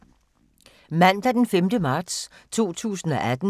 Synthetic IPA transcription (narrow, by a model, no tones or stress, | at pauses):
mæn̰d̥æd̥enfemd̥əmɑ̈ːd̥st͡sʰo̝̰ːt͡sʰṵːsn̩ɒ̽ʔæd̥n̩